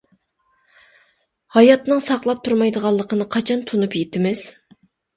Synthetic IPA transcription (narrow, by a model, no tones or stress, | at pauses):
hɑjɑt̪nɨŋsɑqlˠɑp̚t̪ʰuɾmɑjd̪əʁɑlˠːəqʰənɨqʰɑt͡ʃʰɑnt̪ʰunupjet̪ʰɪmɪz̥